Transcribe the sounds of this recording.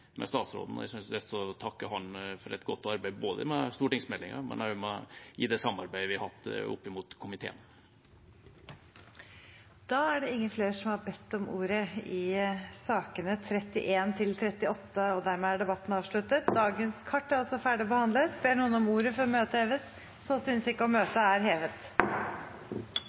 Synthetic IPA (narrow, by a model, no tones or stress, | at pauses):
mɛ̰st̪ɑːt̪sɾo̰ːd̪n̩ɔ̰æ̰sʏnsɛsɔt̪ʰɑkːəɦɑnfɔɾɛ̰t̪ɡɔt̪ːɑɾbæɪboːd̪ə̰mɛst̪uːʈɪŋsmɛlːɪŋɑ̰mɛ̰næmɛɪ̰d̪ɛsɑmːɑɾbæɪʋɪhɑt̪ːɔ̰pːɪmuːt̪kʰʊmɪt̪ʰḛːən | d̪̥ɑæɖɛɪŋːənfleːʂɔmhɑɾbɛt̪ːɔmṵːɾəɪsɑːkənət̪ʰɾɛt̪ːɪ̰ʔeːnt̪ʰɪlt̪ʰɾɛt̪ːɪɔt̪ːəɔd̪æɾmɛːæɖɛbɑt̪ːən̩ɑːʋʂɭʉt̪ət̪̚d̪ɑːɡənskʰɑʈːæɾɔsɔfæːɖɪɔbəhɑnd̪ləɾsb̥eːɳuːənɔmuːɾəfɔɾɔmøːt̪əɛːʋəs | sɔsʏnsɪkːəɔmøːt̪əæɾɦeːʋət̪